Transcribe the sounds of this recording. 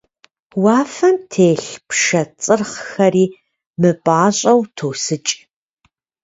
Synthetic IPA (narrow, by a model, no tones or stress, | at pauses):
waːfɐmtʰeːɬpʃɐt͡sʼɨrχxɐriː | mɨbʼaːɕʼɐwtʰoːsɨt͡ʃʼ